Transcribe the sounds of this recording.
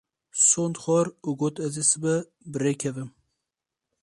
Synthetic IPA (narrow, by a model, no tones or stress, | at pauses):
sond̪xʷɑːɾuɡoːt̪ɛzesɨbɛ | bɨɾekʰɛvɨm